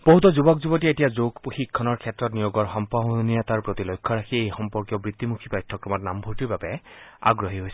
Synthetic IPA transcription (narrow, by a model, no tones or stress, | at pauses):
b̥oɦut̪ɔzubɔkzubɔt̬iaetijazoɡpuxikʰːɔnɔɹkʰɛtːɹɔtnijoɡɔɹxɔmpaɦnijat̪aɹpɹot̪ilojkʰːɔɹaxʰiejxɔmpɔɹkjɔbɹit̪ːimukʰipajtʰːɔkɹɔmɔtna̰mbʱuɹtiɹbapɛa̰ɡɹoɦiɦojsɛ